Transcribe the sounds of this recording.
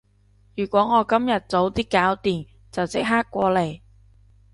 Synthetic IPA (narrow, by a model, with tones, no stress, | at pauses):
jyː˨˩kʷɔː˨˥ŋɔː˨˧kɐ˥mjɐ˨t̚t͡so˨˥wt̪iː˥kːaː˨˥wt̪iː˨˩n | t͡sɐ˨wt͡sɪ˥k̚ɦaː˥kːʷɔː˧le˨˩j